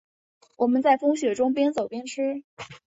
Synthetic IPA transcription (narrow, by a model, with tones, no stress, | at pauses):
wʔɔ˨˩mə˦nt͡sa˥˩ɪfɤ˥ŋɕɥɛ˨˩ʈ͡ʂʊ˥ŋpjɛ˥nt͡so˨˩ʊpjɛ˥nʈ͡ʂʰɻ̩˥